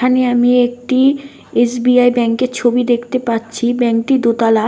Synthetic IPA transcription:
aneamiek̚ʈi | esbiajbɛŋkeɾt͡ɕʰobid̪ekʰt̪epatːt͡ɕʰibɛŋk̚ʈid̪ot̪ala

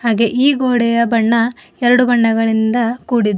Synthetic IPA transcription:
haːɡe̞ʔiːɡoːɽɛjɐbɐɳːɐ | ɛɾɐɽubɐɳːɐɡɐɭind̪ɐkuːɽid̪u

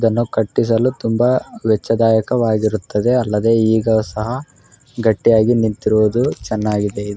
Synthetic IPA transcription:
id̪ɐnːukɐʈːis̬ɐlut̪umbɐʋɛt͡ʃːɐd̪aːjɐkɐʋaːɡiɾut̪ːɐd̪e̞ɐlːɐd̪e̞iːɡɐsɐɦɐ | ɡɐʈːijaːɡinint̪iɾuʋɐd̪ut͡ʃɛnːaːɡid̪e̞id̪

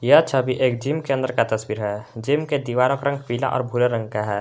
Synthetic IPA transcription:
jeətːʃʰabʱiʔeːkd͡ʒimkeənd̪əɾkat̪əswiːɾɦɛd͡ʒiːmked̪iʋaːɾəkɾə̃ŋɡpiːla̰ʔɔ̰ːɾbʱʊleɾə̃ŋɡ̚kaɦɛː

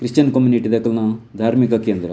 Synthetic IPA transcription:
kɾist͡ʃɐnkɐmjuniʈid̪ɐkɐlnɐd̪ʱaːɾmikɐkeːnd̪ɾɐ

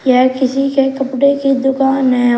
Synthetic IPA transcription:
jaːkɪsikekɐpɽekid̪ʊkaːnɦɛ̃

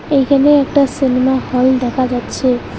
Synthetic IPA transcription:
ejkʰɛneɛkʈasinimahɔld̪ɛkʰad͡ʒatːʃʰe

